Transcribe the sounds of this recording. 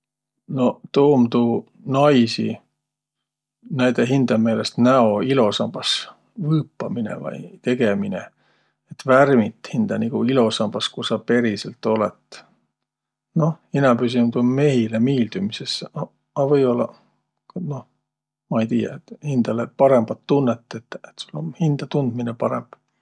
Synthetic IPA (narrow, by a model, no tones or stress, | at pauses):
no̞t̪oːmt̪u | nɑjsḭ | næjd̪eɦind̪̥ɑme̞ːlest̪næo̞ilo̞sɑmb̥ɑs | vɤːpːɑminḛvɑ̰jt̪e̞ɡ̥eminḛ | et̪værmit̪hind̪̥ɑniɡ̥uilo̞sɑmb̥ɑskusɑpe̞ɾiselt̪ːˑo̞lḛt̪ | no̞inɑpys̬inud̪̥onme̞ɦilemiːld̪̥umisesːʔɑ | ɑvɤjo̞lːɑ | kno̞ | mɑejt̪iːjɑ̰et̪hind̪̥ɑlepɑɾe̞mb̥ɑt̪ːunːet̪ːˑet̪ːˑet̪sulːonhind̪̥ɑt̪und̪̥minepɑɾḛmb̥